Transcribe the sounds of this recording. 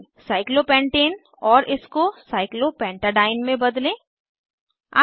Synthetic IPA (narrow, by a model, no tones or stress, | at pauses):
saːɪklopɛ̃ːɳʈeːn | ɔːɾɪskosaːɪklopɛ̃ːɳʈaɖaːɪnmẽbɐd̪lẽː | a